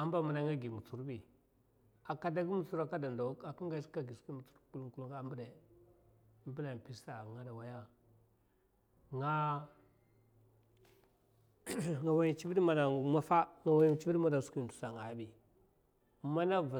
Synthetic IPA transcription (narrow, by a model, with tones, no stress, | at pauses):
a˦m˦ba˨ma˨na˨ŋa˦ɡi˨mu˨t͡su˨ɾbi˨ | a˨ka˨da˦ɡi˦mu˨t͡su˦ɾa˦ka˦da˨nda˨˦a˨ki˦ŋɡa˦ska˦ɡi˨ski˦mu˨t͡su̥˦ɾku˦u˦˨ku˦lu˦ŋɡa˦mbu˦de˨˦ | mbi˦la˨pi˦sa˨ŋa˦da˨wa˦ja˦ | ŋa˦ | ŋa˨wa˦ji˦t͡ʃi˦bi˦dma˨na˨ma˦fa˦ŋa˨wa˦ji˦t͡ʃi˦bi˦ma˨nda˨ski˦˨n˨du̥˨sa˨ŋa˨˦bi˨ | ma˦na˦va˨